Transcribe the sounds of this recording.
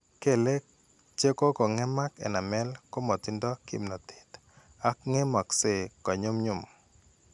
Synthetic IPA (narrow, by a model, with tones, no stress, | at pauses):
ke˦˨le˦ | t͡ʃe˦ko˦ko˨ŋɛ˦ma˦kɛ̰˨na˨mɛ˦lko˦mɔ˨t̪ɪ˦ndɔ˦kḭ˦mnɔ˨t̪ɪ̥˨t̪ | a˦kŋe˦mɔ˨kse˦˨kɔ˨ɲo˦mɲʊ˦m˨